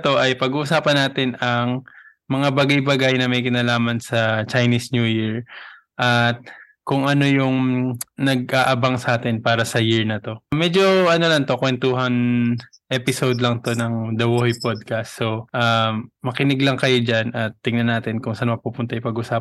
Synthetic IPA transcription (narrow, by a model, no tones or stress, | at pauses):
t̪o̞ʔɐjpɐɡuːʔʊsaːpɐnːaːt̪ɪnɐŋ | mɐŋabaɡajbaɡajnɐmɐjkɪnalaːmɐnsɐt͡ʃɐjnisnjuːjiɹ | ʔɐt̪̚ | kʊŋʔɐno̞jʊŋnɐɡ̚ʔaʔɐbaŋsɐʔaːt̪ɪnpaːɾɐsɐjɪɹnɐt̪o̞mːɛd͡ʒo̞ʔɐnolɐnt̪o̞kwɛnt̪uɦɐn | ʔɛpɪsowd̪lɐŋt̪o̞nɐŋd̪ɐwohijpod̪̚kɐst̪ːo̞ʔamɐkɪnɪɡlɐŋkɐjo̞d͡ʒanʔɐt̪ːɪŋnɐnaːt̪ɪnkʊŋsaanmɐpuːpʊnt̪ɐjʊmpɐɡuʔʊsaːp